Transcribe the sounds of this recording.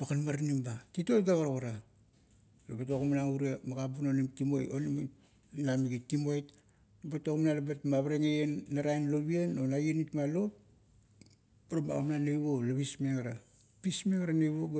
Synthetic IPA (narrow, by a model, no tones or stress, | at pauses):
pakanmaɾnimbatitotɡaβaɾaɣoɾa | labatokumnauɾiamaɡabunonimtimojonim | namiɡitimojt | batokmnalabatmaβaɾeŋejenːaɾajnloβianonajenitmalo̞p̚ | paɾoma̰amnanejβo̞laβismeɡaɾa | pismeβaɾanejβoɡ